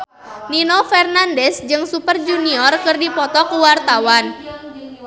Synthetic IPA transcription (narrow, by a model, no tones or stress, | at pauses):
ninɔfɛrnandɛsd͡ʒɨŋsupərd͡ʒuniɔrkɨrdipɔt̪ɔkuwart̪awan